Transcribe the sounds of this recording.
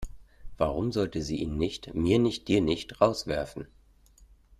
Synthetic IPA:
v̥aʁʊmzɔltəziːʔḭːnːɪçtmiːɐnɪçt̚d̥iːɐnɪçtʁaʊsv̥ɛɐfn̩

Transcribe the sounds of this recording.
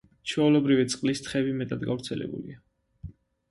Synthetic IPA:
t͡ʃʰɛulɔbɾivit̪sʼqʼlist̪ʰχɛbimɛt̪ʼad̪ɡa̰vɾt̪sʰɛlɛ̰bṵlḭa

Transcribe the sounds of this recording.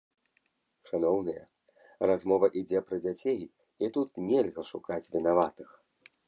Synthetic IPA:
ʂanɔwnɨjɐ̰ | razmɔvɐʔid͡zʲɛpɾɐd͡zʲat͡sʲej | it̪ut̪nʲɛlʲɣɐʂukat͡sʲvʲinavat̪ɨx

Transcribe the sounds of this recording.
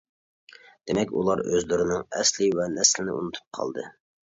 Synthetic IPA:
d̪̥emɛkʲṵlˠɑɾø̰zlyɾɪnɨŋɛslɪwɛnɛslɪnɪ̰ʔṵnut̪ʰu̥p̚qʰɑ̰lˠd̪ɨ

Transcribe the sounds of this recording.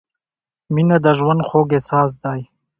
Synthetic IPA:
minad̪aʒwand̪xoːɡesɑːs̬d̪aːj

